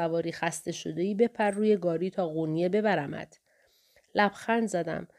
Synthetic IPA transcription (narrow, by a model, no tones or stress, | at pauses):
ævɒːɾiːxæst̪ʰe̞ʃod̪eiːbe̞pʰærːuːje̞ɡɒːɾiːt̪ʰɒːɣunijebe̞bæɾæmæ̰d̪̥ | læb̥xænd̪zæd̪æ̰m